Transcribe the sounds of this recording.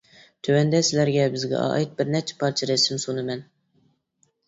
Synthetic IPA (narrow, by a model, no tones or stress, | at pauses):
t̪ʰøwɛnd̪ɛsɪlæɾɡʲɛbɪzɡʲɛ̰ɑ̰ːjit̪̚bɪɾnɛt͡ʃʰɛ̥pʰɑɾt͡ʃʰiɾɛsɪmsunɨmɛn